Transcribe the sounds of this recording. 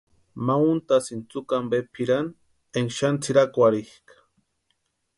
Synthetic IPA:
maunt̪asint͡sukambepʰiɾan | eŋʃant͡sʰiɾakʷaɾihkḁ

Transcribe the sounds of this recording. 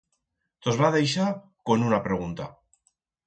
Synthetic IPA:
t̪ozβaðejʃa | ko̞nunapɾe̞ɣ̞unt̪a̰

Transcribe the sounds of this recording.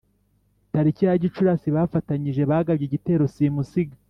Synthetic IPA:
taɾiciaɟit͡ʃuɾasiβafataɲiʒe̞βaɡabɟiɟite̞ːɾo̞simusiɡa

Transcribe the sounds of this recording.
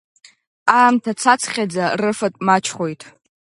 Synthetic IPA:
aːmtʰat͡sʰat͡sʰχʲad͡zarɨfatʼmat͡ʃʰχojtʼ

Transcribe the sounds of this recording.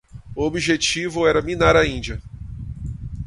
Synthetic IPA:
uobiʒet͡ʃivʊɛɾɐminaɾɐĩd͡ʒɐ

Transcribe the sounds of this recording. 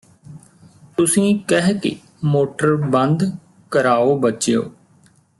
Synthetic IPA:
t̪ʊsĩːkɛɦkḛ | moːʈəɾbənd̪ | kəɾaːoːbət͡ʃejo̰ː

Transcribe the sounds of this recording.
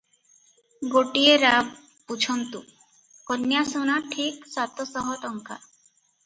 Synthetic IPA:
ɡoʈieɾa | pud͡ʒʰɔnt̪u | kɔnjasunaʈʰiksat̪ɔsɔɦɔʈɔŋka̰

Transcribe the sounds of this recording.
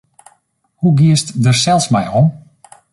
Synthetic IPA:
huɡiəstdərsɛlˠsmɛjɔm

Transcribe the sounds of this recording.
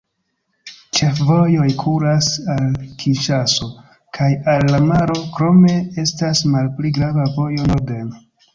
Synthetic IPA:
t͡ʃe̞fvo̞jo̞jkʰulasalkʰiʃaso̞ | kʰajalːamaɾo̞kɾo̞me̞e̞stasmalpliɡɾavavo̞jo̞node̞n

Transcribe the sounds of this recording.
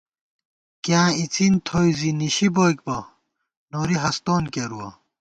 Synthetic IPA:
kjãːit͡sint̪ʰoːjziniɕiboːjk̚bɐ | noːɾiɦɐst̪oːnkeɾuwɐ̰

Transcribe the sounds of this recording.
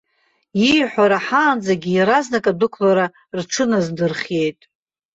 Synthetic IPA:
ijħʷaɾaħaːnd͡zaɡʲiiɾaznakʼadɨkʷʰlaɾa | rʈ͡ʂʰɨnazdɨrχʲje̞jtʼ

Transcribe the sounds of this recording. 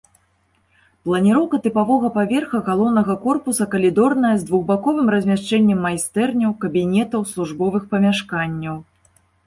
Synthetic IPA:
plˠɐnʲiɾɔwkɐt̪ɨpavɔɣɐpavʲɛrxɐɣalˠɔwnɐɣɐkɔrpusɐkɐlʲid̪ɔrnɐjɐzd̪vuɣbakɔvɨmrɐzʲmʲaʂt͡ʂɛnʲːɛmːajst̪ɛrnʲɐwkɐbʲinʲɛt̪ɐwslˠuʐbɔvɨxpɐmʲaʂkanʲːɐw

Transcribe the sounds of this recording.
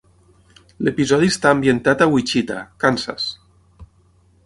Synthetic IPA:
lepizɔðiest̪aːmbjent̪at̪awit͡ʃit̪a̰kansa̰s

